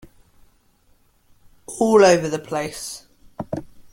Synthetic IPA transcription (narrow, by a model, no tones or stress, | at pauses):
ʔɔːləʊvəðəpʰl̥eɪs